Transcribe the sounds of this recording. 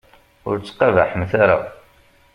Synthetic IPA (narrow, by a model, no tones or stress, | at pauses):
ʊɾt͡sːqːɑva̰ħəmθaɾa̰